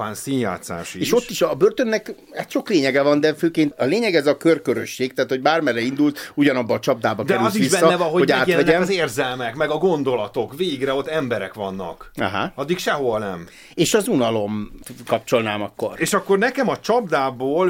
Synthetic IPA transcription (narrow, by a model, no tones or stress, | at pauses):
aːnsiɲja̰ːt̪sa̰ːʃieːʃo̞tt̪ːiʃɒbørt̪ønːɛk | haːt̪ʃo̞kleːɲɛɡɛvɒnd̪ɛføːkeːnt̪ɒleːɲɛɡɛzɒkørkøɾø̰ʃːeːk̚t̪ɛːt̪ho̞ɟ̚baːrmɛrɛind̪ult̪uɟɒnɒbːɒːt͡ʃɒb̚d̪aːbɒkd̪ɛyltziʋissːɒɛɒɦooɟaːt̪ʋɛɟɛmzeːrzɛlmɛkmɛɡɒɡo̞nd̪o̞lɒt̪o̞kveːɡrɛot̪ːɛmbɛɾɛ̰kʋɒnːɒ̰kɒ̰ɦa̰ɒd̪ːikʃɛɦo̞nɛ̰m | eːʃɒzunɒlo̞mkɒp̚t͡ʃo̞lnaːmɒkːo̞̰reːʃɒkːo̞rnɛkɛmɒt͡ʃɒbd̪aːboːl